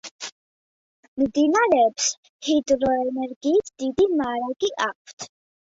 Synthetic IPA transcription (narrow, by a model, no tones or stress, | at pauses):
md̪inaɾɛːps | hid̪ɾɔɛnɛɾɡiːt̪ʰd̪̥id̪imaːɾaɡiʔak̚ʷʰt̪ʰ